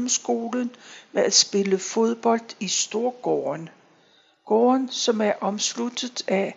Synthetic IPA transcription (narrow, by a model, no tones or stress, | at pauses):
msɡ̥o̝ːlənmeæ̥sb̥e̝ləfo̝ð̞ˠb̥ɒ̽l̰d̥isd̥o̝ɐɡ̥ɒːn | ɡ̥ɒːnsɒ̽mæɐʔɒ̽mslud̥ð̩ˠæ